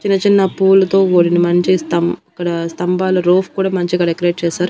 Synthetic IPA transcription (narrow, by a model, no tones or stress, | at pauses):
t͡ʃinːɐt͡ʃinːɐpuːlɐt̪o̞ːoːɽinɐmɐɲt͡ʃist̪ɐmkːɐɽɐst̪ɐmbaːluɾoːpʰkuːɽaːmɐɲt͡ʃiɐkːɐɽekːɾeːʈ̚t͡ʃɛːsaːɾu